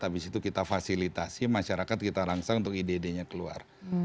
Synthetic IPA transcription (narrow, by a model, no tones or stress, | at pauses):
t̪apisit̪ukit̪afasilit̪asimaʃaɾakat̪̚kit̪aɾaŋsaunt̪ʊkidedeɲakəlua̰r